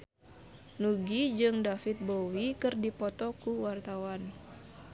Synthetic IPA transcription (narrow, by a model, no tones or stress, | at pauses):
nuɡid͡ʒɨŋdafit̪̚bowikɨrdipɔt̪ɔkuwart̪awan